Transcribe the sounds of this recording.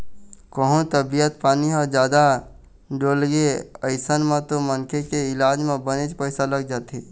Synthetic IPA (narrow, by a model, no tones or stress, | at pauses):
kəɦũt̪əbijət̪paːniɦɔd͡ʒjaːd̪a | ɖoːlɡeəɪsənmẽt̪omənkʰekeɪlaːd͡ʒmẽbəned͡ʒpəɪsaləɡ̚d͡ʒaːt̪iː